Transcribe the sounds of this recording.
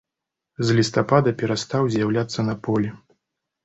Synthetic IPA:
zʲlʲist̪apad̪ɐpʲɛɾast̪awzʲjawlʲat̪sːɐnɐpɔlʲɛ

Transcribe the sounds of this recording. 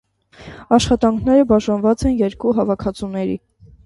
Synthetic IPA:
ɑʃχɑt̪ɑŋkʰnɛɾəbɑʒɑnvɑt͡sɛnjɛɾkuɦɑvɑkʰɑt͡sʰunɛɾḭ

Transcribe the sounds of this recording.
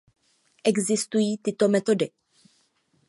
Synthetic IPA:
ʔɛɡzɪst̪ujiːt̪ɪt̪o̞mɛt̪o̞dɪ

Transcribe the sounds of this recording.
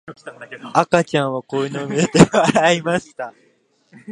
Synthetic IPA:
akat͡ɕãɰ̃βakoinomʲiet̪eβaɾaimaɕi̥t̪a

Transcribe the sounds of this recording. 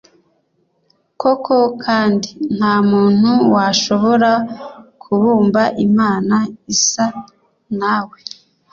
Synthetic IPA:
ko̞kʰo̞kʰaːndin̥haːmuːn̥huwaʃo̞βo̞ɾakʰuβuːmbaʔimaːnaisa | naːwe

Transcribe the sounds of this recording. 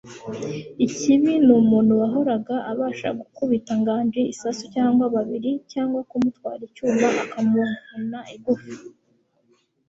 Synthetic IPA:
iciβinuːmuːnhuwaɦo̞ɾaɡaʔaβaːʃa̰ɡukuβitaŋɡaːnʒeisasucaːŋɡwaβaβiɾicaːŋɡwakumutwa̰ːɾicuːmbaakamuunaʔiɡufi

